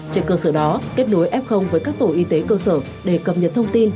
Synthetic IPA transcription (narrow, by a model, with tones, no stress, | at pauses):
t͡ɕe˧nkəː˧səː˧˩ɗɔ˨˦ke˦˥t̚no˨˦jʔɛ˦˥p̚xə˧wŋ͡mvəː˨˦jkaː˦˥k̚t̪o˧˩˨ʔi˧t̪e˨˦kəː˧sə̰ː˧˩ | ɗe˧˩kə˨˩p̚ɲə˨˩t̚t̪ʰə˧wŋ͡mt̪i˧n